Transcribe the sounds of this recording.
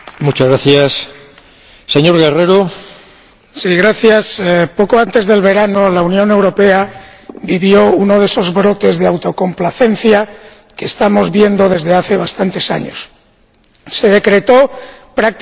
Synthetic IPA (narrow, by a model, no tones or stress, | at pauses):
mut͡ʃazɣɾaθjas | eɲoɾɣereɾo | siɣɾaθjaspokoant̪e̞zðelβ̞e̞ɾanolaunjõ̞ne̞wɾo̞pe̞abiβ̞jo̞uno̞ð̞e̞so̞zβɾo̞t̪e̞zðe̞awt̪o̞ko̞mplaθe̞n̟θja | kest̪amo̞zβje̞nd̪o̞ðe̞zðeaθe̞β̞ast̪ant̪e̞sa̰ɲo̰sː | e̞ð̞e̞kɾe̞t̪o̞pɾak̚t̪